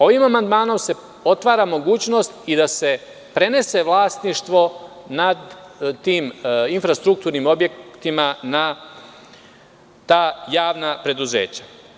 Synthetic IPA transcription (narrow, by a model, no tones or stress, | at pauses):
o̞ʋimamand̪maːno̞mse̞ | o̞t̪ʋaːɾamo̞ɡuːt͡ɕno̞st̪id̪ase̞ | pɾe̞ne̞se̞ʋlˠaːst̪niʃt̪ʋo̞ | nad̪t̪iːminfɾast̪ɾuk̚t̪uːɾnimo̞bje̞kt̪imana | t̪aːjaːʋnapɾe̞d̪uze̞̰ːt͡ɕḁ